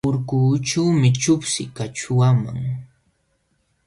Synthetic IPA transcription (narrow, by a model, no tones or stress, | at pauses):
ʊɾkuːʈ͡ʂawmɪt͡ʃʊpsɪkat͡ʃʊwama̰ŋ